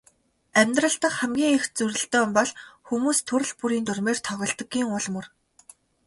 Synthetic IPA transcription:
æmʲt̪rə̆ɬt̪ə̆qχæmɡʲiːŋext͡suɾɘ̆ɬt̪eːmpɔɮxumuːst̪ʰːɵɾɘ̆ɮpuɾiːnt̪ɵrmeːrt̪ʰɔɣʲɞ̆ɮt̪ə̆ɡːiːŋʊɮmɵ̆r

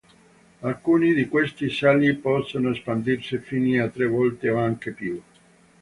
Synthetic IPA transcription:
alkuːnid̪ikwest̪isalipɔsːonoespand̪irsifiniat̪ːɾevɔlt̪eoaŋkepju

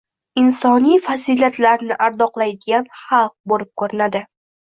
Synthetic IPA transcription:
ɪnsɒnijfaziliat̪laɾnɪʔaɾd̪ɒqlˠajd̪ɪɡʲanχɑlˠq̚bolɪp̚kʰɵɾɪnad̪ɪ

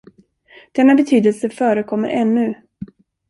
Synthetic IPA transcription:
d̪̥ɛnːabɛt̪ʰyːd̪əlsəfœːɾəkʰɔmːə̰ɾʔɛnːɵ

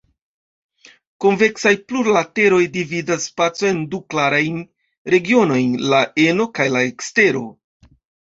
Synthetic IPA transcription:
konve̞ksajpluɾlate̞ɾo̞jdividasːpat͡soe̞nduklaɾajn | ɾe̞ɡio̞no̞jnlaʔeno̞kajlaekste̞ɾo̞̰

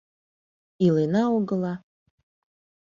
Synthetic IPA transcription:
ilenɑoɣə̆lɑ

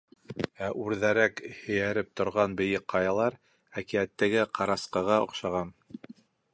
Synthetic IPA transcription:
æʔʉɾðæɾækhɵ̆jæɾɘp̚t̪ŏɾʁɑnbɘ̆jɘqqːɑjɑlˠɑɾ | ækiæt̪ːæɡɘqʰɑɾɑsqɤʁɑŏ̰qʃɑʁɑn

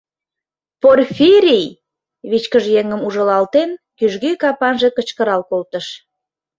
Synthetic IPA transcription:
porfʲiɾij | βit͡ɕkəʒjeŋəmuʒəlɑlt̪enkyʒɣykɑpɑnʒe̽kət͡ɕkəɾɑlkolt̪əʃ

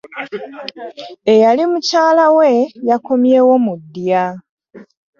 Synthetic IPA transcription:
ejalimucaːlawe̞jako̞mje̞ːwo̞mudːja

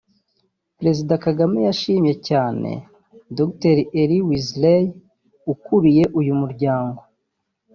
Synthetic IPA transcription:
pɾe̞zidakaɡamejaʃiːmɲe̞caːne̞̰ | dokteɾiʔeɾiwizlej | ukuɾije̞ʔujumuɾɟaːŋɡo̞

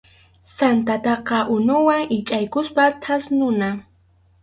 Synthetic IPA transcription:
sant̪at̪ɑqɑʔʊnʊwaŋɪt͡ʃʼajkʊspat̪ʰasnʊna

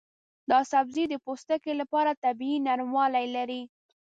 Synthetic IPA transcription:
d̪ɑsabzid̪əpost̪əkelapɑɾat̪abiinaɾmwɑlajlaɾi

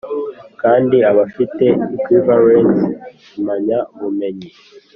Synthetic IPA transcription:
kaːndiaβafite̞ikwivaɾent | umaɲaβume̞ɲi

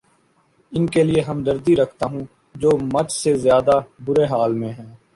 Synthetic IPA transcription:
ɪnkelɪeɦɐmd̪ɐɾd̪iɾɐkʰt̪aːɦũː | d͡ʒoːmɐt͡ʃsezjaːd̪abʊɾeɦaːlmẽɦɛ̃ː

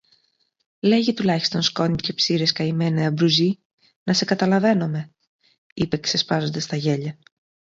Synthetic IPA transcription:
le̞ʝit̪ulɐçi̥st̪o̞nsko̞nice̞psiɾe̞skɐime̞neɐbɾuzi | nɐse̞kɐt̪ɐlɐve̞no̞me̞ | ipe̞kse̞spɐzo̞nd̪ɐst̪ɐʝe̞ʎɐ

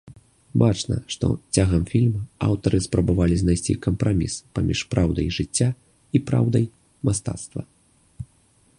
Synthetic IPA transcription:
bat͡ʂnɐ̰ʂt̪ɔ̰t͡sʲaɣɐmfʲilʲmɐa̰wt̪ɐɾɨspɾɐbavalʲiznajsʲt͡sʲḭkɐmpɾamʲḭspamʲḭʂpɾʔawd̪ɐ̰jʐɨt͡sʲːa | ipɾa̰wd̪ɐj | mast̪a̰t̪st̪vɐ̰

